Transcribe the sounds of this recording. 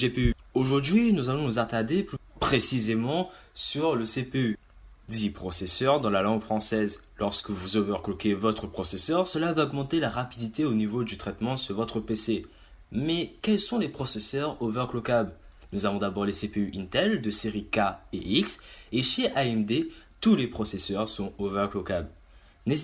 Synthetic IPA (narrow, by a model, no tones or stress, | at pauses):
ʒepeyoʒuʁd̪ɥinuzalɔ̃nuzat̪ad̪eplypχesizemɑ̃ | syʁləsepey | d̪ipχɔsesœʁd̪ɑ̃lalɑ̃ŋɡfχɑ̃sɛz | lɔʁskəvuzovɛʁklokevɔt̪χəpχɔsesœʁsəlavaɔɡmɑ̃t̪elaʁapid̪it̪eonivod̪yt̪χɛt̪mɑ̃syʁvɔt̪χəpese | mɛkɛlsɔ̃lepχɔsesœʁovɛʁklokablnuzavɔ̃d̪abɔʁlesepeyʔĩnt̪ɛld̪əseʁikaeʔikseʃeʔaɛmd̪et̪ulepχɔsesœʁsɔ̃ovɛʁklokabl | ne